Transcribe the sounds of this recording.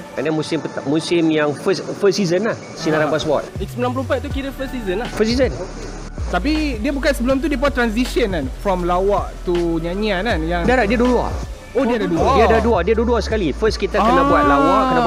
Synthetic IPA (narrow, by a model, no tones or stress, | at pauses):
manamusɪmpət̪aʔmusɪmjaŋfəsfəsizənlah | sinaɾabasbɔ̰t̪̚iksəmilãnpəlumpat̪ukiɾəfəsizənlahfəsizən | t̪ap̬idiəbukansəbəlʊmt̪̬udip̬wat̪ɾans̬isənanfɾɔmlawaʔt̪uɲaɲiananjãŋdaɾadiədulua̰ | odiadaduladiadaduadiaduluasə̥kalifəskit̪akənabuat̚lawaʔkəna